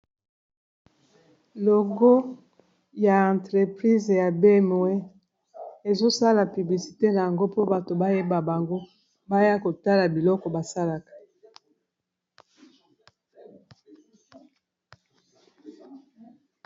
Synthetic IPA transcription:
lo˨ɡo˦ | ja˨ã˨ntʁe˨pʁi˦zja˨be˦mo˨we˦ | e˨zo˦sa˦la˨py˨bli˨si̥˨te˦na˨ja˨ŋɡo˦po˦ba˨to˨ba˦je˦ba˨ba˨ŋɡo˦ | ba˦ja˦ko˨ta˦la˨bi˨lɔ˦kɔ˨ba˨sa˦la˨kḁ˨

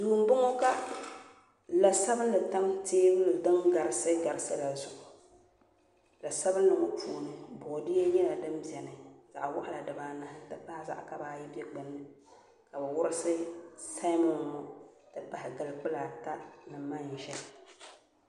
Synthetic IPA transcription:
duː˨m̩˦bʊ˦ŋo˦ka˦ | la˨sa˦bɨ˦n˦lɨ˨ta˦ŋteː˦bɨ˦lɨ˨dɨ˦ŋɡa˨ɾɨ˦sɨ˦ɡa˨ɾɨ˦sɨ˦la˨zʊ˨ʔʊ˨ | la˨sa˦bɨ˦nː˦ɨ˨mo˦pʰuː˦˨nɨ˨bɔ˨dɪ˦jɛ˦ɲɛ˦la˨dɨ˦mbi˨ɛ˨nɨ˨z̥a̰˨ʔwa˦ʔa˦˨la˨dɨ˨baː˨na˦hɪ˦tɨ˦pa˦ɪ˦za̰˨ʔka˨baː˦ji˦bɛ˦ɡ͡bɨ˨nːɨ˦ | ka˨bɨ˨wʊ˦ɾɨ˦sɨ˦sa˦mɔ˦mɔ˦tɨ˦pa˨hɪ˨ɡɨ˨lk͡pʊ˦la˨ta˦nɨ˨mːa˦n˨ʒɛ˦l

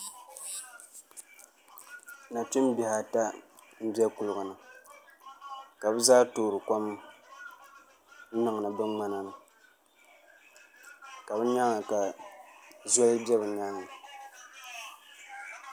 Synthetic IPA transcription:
na˨ti˦mbi˨ha˨ta˦ | m̩˦bi˦ɛ˦ku˨lʊ˨ɡʊ˨nɨ˨ | ka˨bɨ˦zaː˦toː˨ɾɨ˨kʷa˦m | n̩˦nɨ˨ŋ˨nɨ˨bɨ˦ŋ͡ma˦na˨nɨ˨ | ka˨bɨ˦ɲa˦ŋa˨ka˨ | zɛ˦lɨ˦bɛ˦bɨ˨naː˦nːɨ˨

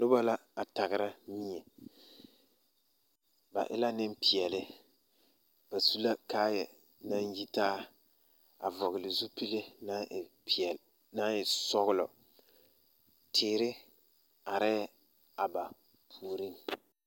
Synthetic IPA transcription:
lʊ˦ba˦la˦a˨ta˨ɣɪ˨ɾa˦mi˦ɲɛ˨ | ba̰˨ʔɪ̰˦la˦nɪ˦mpi˨ɛ˨lɪ˦ | b̥a˨su˦la˦kaː˦jɛ˨ | na˦nji˦taː˦ | a̰˨vɔ˨ɣɪ˨lɪ˨zu˦pi˦le˦na˦˨ɛ˨ | na˦jɪ˨sɔ˦ɣʊ˦lɔ̰˨ | tʰɪː˨˦ɾɪ˦ | a˨ɾɪ˦ | a˨ba˨ | pʰuː˨ɾi˦ŋ

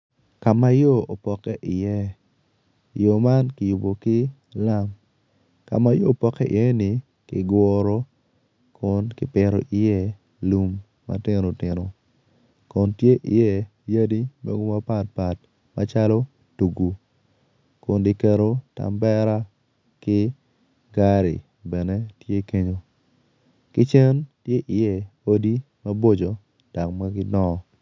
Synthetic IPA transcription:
ka˨ma˦jo˦o˨pɔ˨kɛ˦ʔɪ˨jɛ˦ | jo˨ma˦nkɪ˨ju˨bo˨kɪ˦ | la˦m | ka̰˨ma˦joː˦˨pɔ˨kɛ˦ɪ̰˨jɛ˦nɪ˨ | kɪ̰˨ɡwɔ˦ɾo˦ | kʰʊ˦nkɪ˨pɪ˨ɾo̰˨ʔɪ˨jɛ˦ | lu˨mː | a̰˦tɪ˦no˨tɪ˨no˨ | kɔ˨ntje˦ʔɪ̰˨jɛ˦˨ | ja˦di˦mḛ˦ɡo˦ma˦pa˨t̚pa˨t̚ | ma˦t͡ʃa˦lo˦ | tu˨ɡu˨ | kʊ˨ndɪ˨kɛ˨ɾo˦ta̰˨mbɛ˦ɾa˦ | kɪ˦ | ɡa˦ɾḭ˨ | bɛ˨ne˦tje˦ke˦ɲo˨ | kɪ˦t͡ʃɛ˦ntje˦ʔɪ˨jɛ˦o˦di˦ | mɐ˦bo˦d͡ʒo˨ | d̥a˨kma˦kɪ˦dɔ˦˨

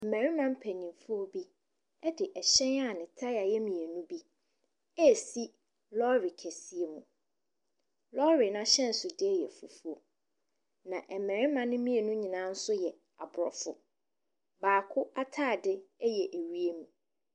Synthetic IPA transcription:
mɛ̃˨ɾɪ˦mã˦m̩˦pʰæ˨ɲĩ˨mfʊ˦ɔ˦bi˦ | ɛ˦dɪ˨ʔɛ˨ɕɛ̃˦na˦˨nɪ̃˨tʰa˦ɪ˦a˨jɛ˦mĩ˨e˨nũ˦bi˦ | ɛ˦˨si˦ | lɔ˦ɾɪ˨kʰɛ˨si˨e˨mṵ̃˨ | lɔ˦ɾɪ˨nã˦ɕɛ̃˦n̩˨sʊ˨dɪ˦ɛ˦jɛ˨fu˨fu˦o˨ | nã˨ʔɛ˨mæ̃˨ɾɪ˦mã˨nɪ̃˦mĩ˦e˨nũ˦ɲĩ˨nã˦n̩˦sʊ˦jɛ˨ | a˨bʊ˨ɾɔ̰˨fʊ̰˦ | baː˨kʰʊ˦a˦tʰaː˦˨dɪ˦ɛ˦jɛ˨ʔæ˨ɥi˦e˦mũ˨

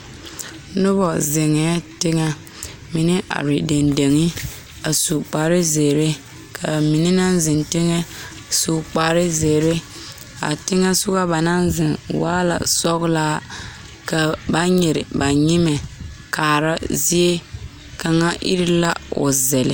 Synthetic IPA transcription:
nʊ˦bɔ˨zɪ˨ŋɛ˨˦tɪ˦ŋa˦ | mi˨nɪ˦ʔa̰˨ɾi˨de˨nde˨ŋi˦ | a˨su˨k͡pa˨ɾɪ˦ze˨ɾɪ˦ | kʰa˨mi˨ni˦na˦nzɪ˨ntɪ˦ŋɛ˦ | su˨k͡pa˨ɾɪ˦ze˨ɾɪ˦ | a̰˨tɪ˦ŋa˦sʊ˦ɣa˦ba˨na˦nzɪ˨nwaː˦la̰˨sɔ˦ɣlaː˦ | ka˨ba˦ɲɛ˨ɾɪ˨ba˨ɲi˦mɛ˨kaː˨ɾa˦zi˦e˦ | ka˨ŋa˦ʔḭ˦ɾɪ˦la˦ʊ̰˨zɛ˨lɪ˨

